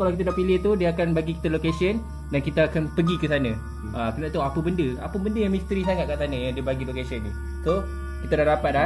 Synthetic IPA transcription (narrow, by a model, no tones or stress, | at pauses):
kalawkit̪adaʔpilit̪udiəakanbaɡiki̥t̪alokasiən | dankit̪aakanpəɡikəsanã | ʔakənaʔt̪aoapəbəndəa̰pəbəndəjaŋmĩst̪ɾisaŋat̪̚kaʔsanãjaŋdiəbaɡilokasiəndu | so | kit̪adahdapat̪̚la